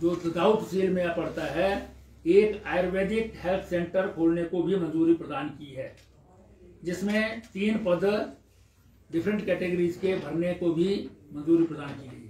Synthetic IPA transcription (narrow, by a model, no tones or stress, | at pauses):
d͡ʒoːt̪əd̪aːʊt̪siːlmẽapəɽt̪aɦɛ | eːkaːɪɾweːd̪ɪkhelt̪ʰsẽːɳʈəɾkʰoːlnekobʱimə̃nd͡ʒuːɾipɾəd̪aːnkiɦɛː | d͡ʒɪsmẽt̪iːnpəd̪ | ɖɪpʰɾə̃ɳʈkɛːʈeɡəɾiːzkebʱɐɾnekobʱimə̃nzuːɾipɾəd̪aːnkiləi